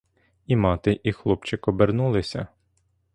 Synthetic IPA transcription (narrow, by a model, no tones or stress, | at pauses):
imɑt̪ɪʔixlˠɔpt͡ʃɪkɔbernulˠɪsʲɐ̰